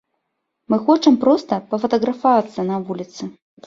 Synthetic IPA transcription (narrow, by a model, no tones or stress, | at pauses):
mɨxɔt͡ʂɐmpɾɔst̪ɐpɐfɐt̪ɐɣɾɐfavat̪sːɐnɐvulʲit̪sɨ